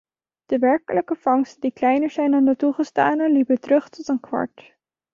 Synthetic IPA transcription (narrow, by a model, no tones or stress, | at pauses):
d̥əʋɛɹkələkəfɑŋstədiklɛjnəɹzɛjnandətuχəsta̰ːnəlipətrɵχtɔtənkʋɑ̰ɹt